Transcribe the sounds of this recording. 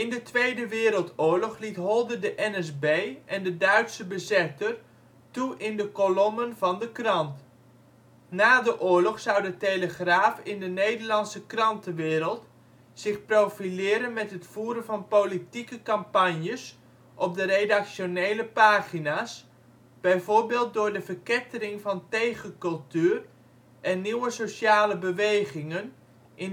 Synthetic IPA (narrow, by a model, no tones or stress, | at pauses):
ɪndətʋejdəʋɪːɾəlˠtʊːɹlɔχlitɦɔlˠdədəʔɛnɛzbejʔɛndədœɥtsəbəzɛtər | tuʔɪndəkolɔmənvɑndəkrɑnt | naːdəʔʊːɹlɔχsʌwdəteləχraːfɪndənejdəɹlɑnsəkrɑntəʋɪːɾəlˠt | sɪχprowfilɪːɾənmɛtɦətfuːɾənvɑnpolitikəkɑmpɑɲjəs | ʔɔb̚dəredɑkʃonejləpaːχinaːs | b̥ɛjvʊːɹbɪːlˠt̚dʊːɹdəvəɹkɪtərɪŋvɑntejχəkɵlˠtyːr | ʔɛnːiwəsoʃaːləbəʋejχɪŋən | ʔɪ